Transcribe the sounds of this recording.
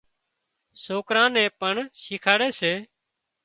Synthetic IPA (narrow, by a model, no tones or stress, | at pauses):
soːkɾãːnẽːpəɳʃiːkʰaːɽeːseː